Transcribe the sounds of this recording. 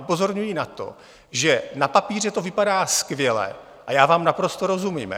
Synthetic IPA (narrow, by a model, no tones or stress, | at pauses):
upo̞zo̞ɾɲujinat̪o̞̰ | ʒɛnapapiːr̝ɛt̪o̞vɪpadaːskvjɛlɛ̰ | ʔajaːvaːmnapɾo̞st̪oɾo̞zumiːm